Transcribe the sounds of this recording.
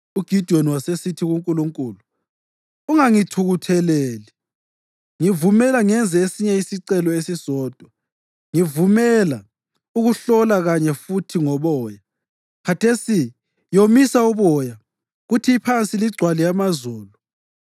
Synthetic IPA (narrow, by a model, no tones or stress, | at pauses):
uɡ̥ʱid̥ʱioniwasesitʰiɣuŋkʼuluŋkʼuːluː | ŋaŋitʰuɣutʰɛlɛːli | ŋivumɛlaŋɛnd͡zʱɛesiɲɛisiǀɛlɔesisɔːd̥ʱwɔ | ŋivumɛla | uɣuɬɔlaɣaɲɛfutʰiŋɔβɔːja | kʰatʰesi | jomisauβɔja | ɣutʰipʰant͡sʼiliɡ͡ǀʱwalijamazɔːlɔ